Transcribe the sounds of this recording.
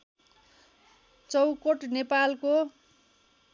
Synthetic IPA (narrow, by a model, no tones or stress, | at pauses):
t͡sʌwkoʈnepalko